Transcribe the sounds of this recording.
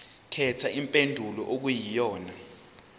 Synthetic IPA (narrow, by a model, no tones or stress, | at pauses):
kʰɛtʰaimpʼendʱulɔʔok̬ujijɔːna